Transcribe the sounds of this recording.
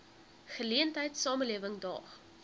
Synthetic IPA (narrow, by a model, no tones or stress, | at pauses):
χəliəntɦəjtsɑːməliəvəŋdɑ̰ːχ